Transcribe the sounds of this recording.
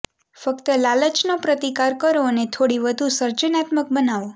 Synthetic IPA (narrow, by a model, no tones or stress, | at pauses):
fəkt̪əlalət͡ʃnopɾət̪ikaɾkəɾonet̪ʰoɽiʋəd̪ʱusəɾt͡ʃənat̪mək̚bənaʋo